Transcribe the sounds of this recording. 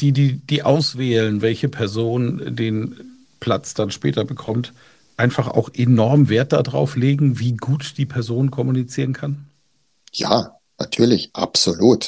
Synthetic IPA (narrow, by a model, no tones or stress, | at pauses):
d̥iːdiːd̥iːʔaʊsv̥ɛːlənvɛlçəpʰɛɐzoːndeːn | pʰl̥at͡sd̥anʃpɛ̰ːtɐbəkʰɔmt | ʔaɪnfaχʔa̰ʊxʔenɔɐmveːɐt̚d̥adʁa̰ʊfleːɡŋ̩viːɡuːtd̥iːpʰɛɐzoːnnkʰɔmunit͡siːʁənkʰan | ja̰ː | na̰tʰyːɐlɪçʔa̰pz̥oluːt